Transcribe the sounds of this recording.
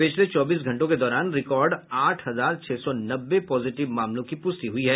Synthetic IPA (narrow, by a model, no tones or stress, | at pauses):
pɪt͡ʃʰlet͡ʃɔːbiːs̬ɡʱɐ̃ɳʈõked̪ɔːɾaːnɾɪkɔːɾɖaːʈʰɦɐzaːɾt͡ʃʰeːsɔnɐbːepɔːzɪʈɪʋmaːmlõkipʊst̪iɦʊiɦɛː